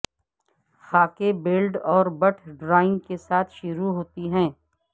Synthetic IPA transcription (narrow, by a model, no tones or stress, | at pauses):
xaːkebeːlɖɔːɾbɐʈʰɖɾaːɪ̃ŋɡkesaːt̪ʰʃʊɾuɦoːt̪iɦɛ̃ː